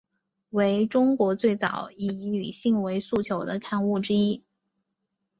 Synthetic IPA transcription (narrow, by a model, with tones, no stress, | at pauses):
we˧˥ɪʈ͡ʂʊ˥ŋkwɔ˧˥t͡swe˥˩ɪt͡sɑ̰˨˩ʊi˧˩˧ny̰˨˩ɕi˥˩ŋwe˧˥ɪsu˥˩t͡ɕʰjo˧˥ʊd̪ə˧kʰa˥˧nu˥˩ʈ͡ʂɻ̩˥i˥